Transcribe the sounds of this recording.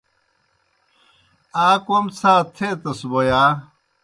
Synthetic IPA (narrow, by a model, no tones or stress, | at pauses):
aːkomt͡sʰaːt̪ʰet̪ɐsbojaː